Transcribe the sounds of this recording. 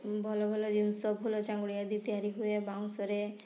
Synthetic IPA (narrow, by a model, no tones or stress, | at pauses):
bʱɔlɔbʱɔlɔd͡ʒinsɔbɦolɔt͡ʃaŋɡuɽijad̪it̪iɦaɾiɦuebawsɔɾe